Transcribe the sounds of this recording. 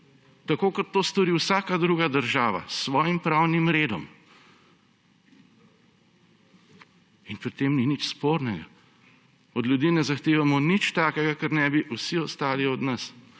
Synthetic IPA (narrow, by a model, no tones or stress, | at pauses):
t̪akoːkɔt̪ːoːst̪ɔɾiwsaːkad̪ɾuːɡad̪əɾʒaːʋa̰sːʋɔːjimpɾawnimɾeːd̪ɔ̰m | inpɾit̪emninit͡ʃspoːɾnɛɡa̰ | ɔd̪ljud̪iːnɛzaxt̪eːʋamɔnit͡ʃt̪aːkɛɡakɛɾnɛbiʔusiɔst̪aːliɔd̪nɐs